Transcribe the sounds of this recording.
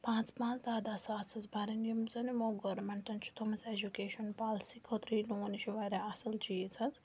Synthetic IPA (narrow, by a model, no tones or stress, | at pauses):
pãːt͡spãːnt͡sd̪aːd̪asaːt͡sʰɐzbaɾɐnjɐmzɐnimoːɡoɾmeɳʈɐnt͡ʃʰu̥t̪ʰomɐsed͡ʒukeːʃonpaːlsikʰot̪ɾiːloːniʃʰiʋaɾʲaɐsɐlt͡ʃʰiːt͡sʰɐt͡s